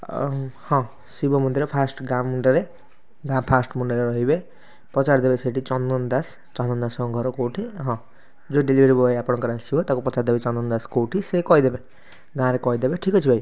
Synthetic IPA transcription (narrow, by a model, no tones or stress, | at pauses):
hɔ̃ | sibɔmund̪iɾepʰasʈɡãmuɳɖeɾe | ɡãpʰasʈmuɳɖaleɾʌɦibe | pɔt͡saɾd̪ebeseʈit͡sɔnd̪ɔnd̪as | t͡sɔ̃nd̪ɔnd̪asɔ̃ɡʱɔɾokoʈʰiɦɔ̃ | d͡zoɖelibʱeɾibɔeapɔɽ̃ɔkɔɾasiɦot̪akopɔt͡saɾd̪ebet͡ʃɔnd̪ɔnd̪askoʈʰisekɔjd̪ebe | ɡãɾekɔjd̪ebeʈʰikɔt͡ʃʰibaj